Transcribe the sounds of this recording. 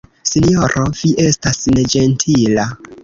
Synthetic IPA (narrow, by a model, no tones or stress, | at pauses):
sinjoɾʔov̥iʔe̞stasned͡ʒe̞ntʰila